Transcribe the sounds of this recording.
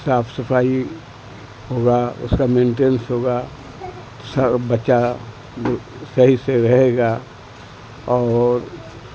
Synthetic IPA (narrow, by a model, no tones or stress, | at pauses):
saːpʰsɐpʰaːi | hoːɡaʊ̰skamẽːɳʈensɦoːɡa | t̪osɐɾbɐt͡ʃa | sɐɦiseɾɐɦeɡa | ɔːɾ